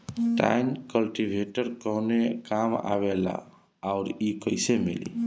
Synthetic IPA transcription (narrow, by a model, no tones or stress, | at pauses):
ʈa̰jnkəlʈibʱeʈəɾkəɦnekama̰βela̰ː | ʊɾikəjsemḭlḭ